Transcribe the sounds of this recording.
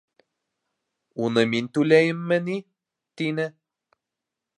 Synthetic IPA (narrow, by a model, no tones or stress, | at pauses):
unɤmint̪ʉlæjɘ̆mːɘ̆ni | t̪inɘ